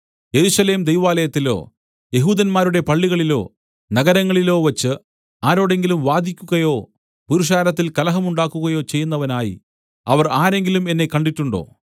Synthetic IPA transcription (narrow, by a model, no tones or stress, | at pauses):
je̞ɾuʂɐle̞ːmd̪ejʋaːlɐjɐt̪ːilo̞̰ː | je̞ɦuːd̪ɐnmaːɾuɽe̞pɐɭːiɣɐɭilo̞̰ː | nɐɣɐɾɐŋːɐɭilo̞ːʋɐt͡ɕːɨ | aːɾo̞ːɽe̞ŋɡilumʋaːd̪ikʲːuɣɐjo̞ː | puɾuʂ̬aːɾɐt̪̬ːilkɐlɐɦɐmuɳɖaːkːuɣɐjo̞ːt͡ɕe̞jːunːɐʋɐnaːjḭ | ɐʋɐraːɾe̞ŋɡilume̞nːe̞kɐɳɖiʈːuɳɖo̞̰ː